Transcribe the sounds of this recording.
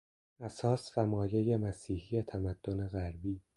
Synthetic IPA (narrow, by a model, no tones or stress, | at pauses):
æsɒːsfæmɒːjejemæsiːhijet̪ʰæmæd̪̥ːoneɣæɾbiː